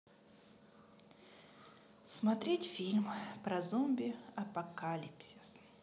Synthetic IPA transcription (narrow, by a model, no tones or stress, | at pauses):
smɐt̪ɾʲetʲfʲilʲmpɾɐzɔmʲbʲɪɐpɐkalʲipsʲɪs